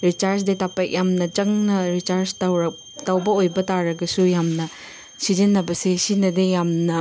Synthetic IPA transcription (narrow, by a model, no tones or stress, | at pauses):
ɾit͡ʃaɾsdetapek̚jamnɐt͡ʃɐŋnɐɾit͡ʃaɾst | tawbɐojbɐtaɾɐɡɐsujamnɐ | sizinːɐbɐsesinɐdejamnɐ